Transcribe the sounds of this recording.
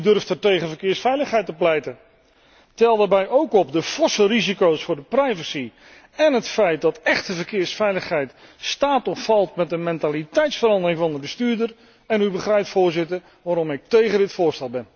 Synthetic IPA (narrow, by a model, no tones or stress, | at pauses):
ydɵrftɛɹtejχəvəɹkɪːɹsfɛjləχɦɛjtəplɛjtə | tɛlˠdaːɹbɛjowkɔp̚dəfɔsəlˠrizikowsfʊːɹdəprɛjvəsi | ɛnɦətfɛjt̚dɑtɛχtəvəɹkɪːɹsfɛjləχɦɛjt | staːtɔffɑlˠtmɛtənmɛntaːlitɛjtsfəɾɑndəɾɪŋvɑndəbəstyːɹdər | ɛnybəχrɛjptfʊːɹzɪtəɹ | ʋaːɾɔmɪk̚tejχədɪtfʊːɹstɛlˠbɛn